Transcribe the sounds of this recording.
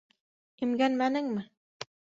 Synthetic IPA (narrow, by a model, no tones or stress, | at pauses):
ɘ̆mɡænmænɘŋmɘ